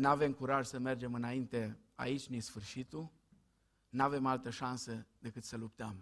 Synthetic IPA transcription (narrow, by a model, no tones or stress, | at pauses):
nave̞mkuɾaʒsəme̞rd͡ʒe̞mɨnaint̪e̞ | a̰it͡ʃʲnisfɨrʃit̪u | nave̞malt̪əʃansəd̪e̞kɨt̪səlupt̪əm